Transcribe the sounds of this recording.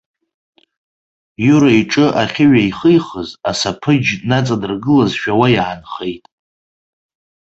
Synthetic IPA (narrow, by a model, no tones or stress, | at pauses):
juɾaiʈ͡ʂʼɨʔaχʲɪɥaiχɨjχəzasapʰɨd͡ʒnat͡sʼadɨrɡɨlazʃᶣawajʕanχe̞jtʼ